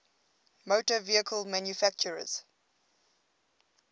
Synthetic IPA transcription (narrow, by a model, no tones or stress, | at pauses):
motəviəkʰəlmæ̃njufæk̚t͡ʃəɹə̰z̥